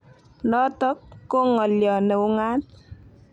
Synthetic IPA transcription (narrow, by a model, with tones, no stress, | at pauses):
nɔ˦tɔ˦kːo˦ŋɔ˨ljɔ˨ne˨u˦ŋa˦t